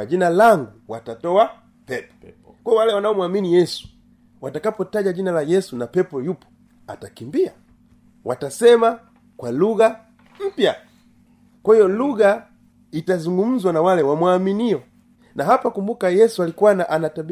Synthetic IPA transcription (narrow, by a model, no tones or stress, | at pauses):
d͡ʒinalaŋɡuwatatɔa | pɛpɔ̥ | kwaɔwalɛwanaɔmwaminijɛsu̥ | watakapɔtaʄaʄinalajɛsunapɛpɔjupɔ̥ | a̰takimbia | watasɛma | kwaluɡa | m̩pja | kwahiɔluɡa | itazuŋɡum̩zwanawalɛwamwaminiɔ | naɦapakumbukajɛsualikuanaʔanatab